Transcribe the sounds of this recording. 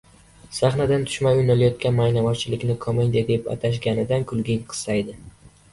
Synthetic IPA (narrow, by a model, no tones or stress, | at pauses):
saχnad̪ant̪ʰʊ̥ʃmajʊjnalajɒt̪̚kʲanmajnamɒt͡ʃʰɪlɪkʲnɪkʰɒmend̪ed̪epa̰t̪ʰaʃ̬ɡʲanɪd̪ankʰʊlˠɡʲɪŋqʰɨ̥sajd̪ɪ